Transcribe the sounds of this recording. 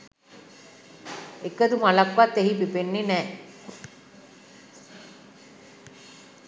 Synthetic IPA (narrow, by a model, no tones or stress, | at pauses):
ekəd̪umalakʋat̪ːeɦipipenːenɛː